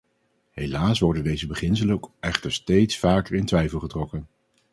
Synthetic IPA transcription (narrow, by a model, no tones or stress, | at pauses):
ɦejlaːsʋɔɹdəndejzəbəχɪnsələɛχtəɹstejtsfaːkəɹɪntʋɛjfəlˠχətrɔkən